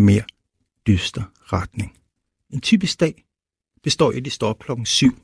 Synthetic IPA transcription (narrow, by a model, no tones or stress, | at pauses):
me̝ːɐ̰ | d̥ysd̥ɐ | ʁad̥ne̝ŋ | e̝nt͡sʰy̰ːb̥isɡd̥ɛ̰ː | b̥e̝sd̥ɒ̰ːed̥isd̥ɒ̰b̥̚kʰlɒ̽ɡ̥n̩syʊ̰